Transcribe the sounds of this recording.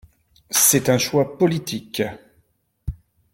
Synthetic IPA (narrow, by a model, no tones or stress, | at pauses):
sɛt̪ɛ̃ʃwapɔlit̪ʰik